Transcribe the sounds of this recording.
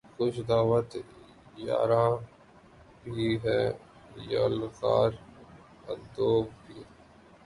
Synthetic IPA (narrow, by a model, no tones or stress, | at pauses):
xʊt͡ʃʰd̪aːʋət̪ | ja̰ːɾãː | bʱiɦɛː | ja̰lka̰ːɾ | əd̪oːbʱiː